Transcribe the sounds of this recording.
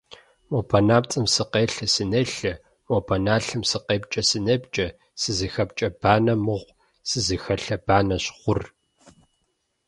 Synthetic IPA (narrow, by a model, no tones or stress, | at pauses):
mopʰɐnaːp̚t͡sʼɨmsɨqeːɬɐsɨneɬɐ | mopʰɐnaːɬɨmsɨqeːpt͡ʃʼɐsɨnɐbt͡ʃʼɐ | sɨzɨxɐp̚t͡ʃʼɐb̥aːnɐmɨʁʷ | sɨzɨxɐɬɐb̥aːnɐɕχʷʊr